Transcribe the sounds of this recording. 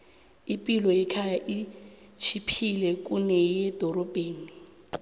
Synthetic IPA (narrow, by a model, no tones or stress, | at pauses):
ipʼilɔɛkʰajaʔi | t͡ʃʰipʰilɛkʼunɛjɛd̥ʱɔrɔb̥ʱeːni